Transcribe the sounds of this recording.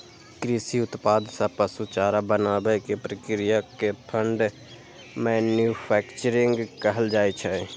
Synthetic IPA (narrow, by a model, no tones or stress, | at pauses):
kɾisiʊt̪paːd̪sapəsut͡ʃaːɾabənaːbɛkepɾəkɾijakepʰəɳɖ | mɛnjupʰɛːkt͡ʃəɾɪ̃ŋɡkəɦəld͡ʒaːet͡ʃʰɛ